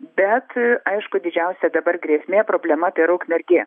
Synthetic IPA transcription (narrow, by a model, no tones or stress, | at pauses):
bʲɛt̪ɐɪʃkʊd̪ʲɪd͡ʒʲɛʊsʲɛd̪ɐbɐrɡɾʲeːsʲmʲeːpɾoːbʲlʲɛmɐpʲeːɾɐʊkmʲɛɾʲɡʲeː